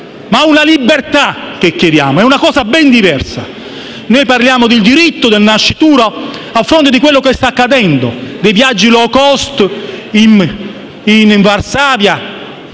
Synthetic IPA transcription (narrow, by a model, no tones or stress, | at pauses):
maunalibːert̪ak̟ːekːed̪ja̰ːmoɛunakɔːsabɛnd̪ivɛrsa̰ | noːjpaɾrljaːmʊd̪ɪld̪iɾit̪ːod̪elnaʃːit̪uːɾoafːɾont̪ɪd̪ikwelːokest̪akːad̪ɛnd̪o̰d̪ejvjad͡ʒːilɔːkɔst̪in | inɱvarsaːvja